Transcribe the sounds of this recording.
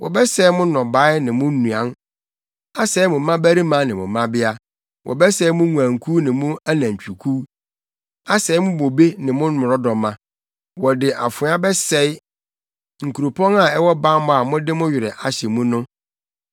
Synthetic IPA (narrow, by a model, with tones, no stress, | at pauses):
wɔ̰˨bɛ˦sɛ˦ɪ˦mʊ̃˦nɔ̃˨ba˦ɪ˦nɪ̃˨mʊ̃˦nːũ˨ã˨n | a˦sɛ˨˦ɪ˦mʊ̃˨mã˦bæ˦ɾi˦mã˨˦nɪ̃˨mʊ̰̃˨mːã˦bɪ˦a˦ | wʔɔ̰˨bɛ˦sɛ˦mʊ̃˦ŋũ˨ã˨ŋ̩˨kʰu˦nɪ̃˨mʊ̃˦a˦nã˨ɲ̩˨t͡ɕᶣu˨kʰu˦ | a˦sɛ˨˦ɪ˦mʊ̃˦bo˨be˦nɪ̃˨mʊ̃˦n˦mʊ̃˨ɾɔ˦dɔ̃˨mːã˨ | wɔ˨dɪ˨ʔa̰˨fʊ̃˨˦a˦bɛ˦sɛ˨˦ɪ˦ | ŋ̩˨kʰu˨ɾu˨pʰɔ̃˦na˨ɛ˦wɔ˦ba˦mʊ̃˦a˨mʊ̃˦dɪ˦mʊ̃˦ɥɪ˨ɾɛ˨ʔa˨ɕɛ˨mũ˦nʊ̃˦